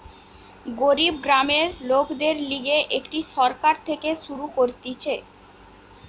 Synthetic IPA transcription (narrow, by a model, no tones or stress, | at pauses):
ɡoɾib̚ɡɾameɾlokd̪eɾliɡeʔekʈiʃɔɾkaɾt̪ʰekeʃuɾukoɾt̪it͡ɕʰe